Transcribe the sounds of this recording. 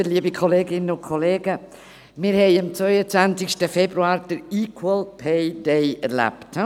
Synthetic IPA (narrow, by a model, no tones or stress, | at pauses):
əliːəbikʰɔleːɡɪnənʊnkʰɔleːɡə | mɪɾhɛɪɪmt͡svœʏət͡sʋant͡sɪʃtəfɛbɾuaːɾd̥əɾikʰwəlpʰeɪdeɪɛ̰ɾla̰pt